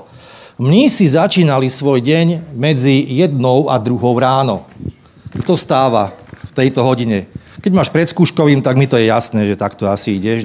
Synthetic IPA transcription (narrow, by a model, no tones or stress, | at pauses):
mɲisizat͡ʃiːnalisʋɔjɟɛɲmɛd͡zijɛd̪nɔʊa̰d̪ɾuɦɔʊɾaːnɔ | kt̪ɔst̪aːʋaft̪ɛjt̪ɔɦɔɟiɲɛ | kɛɟmaːʃpɾɛt̪skuːʃkɔʋiːmt̪aɡmit̪ɔjɛjasnɛːʒɛt̪akt̪ɔasiiɟɛʃ